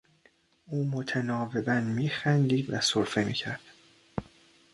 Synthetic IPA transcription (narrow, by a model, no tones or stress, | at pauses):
ʔuːmo̞t̪ʰænɒːve̞bænmiːxænd̪iːd̪væ̰soɾfe̞mḭːcʰæɾd̪̥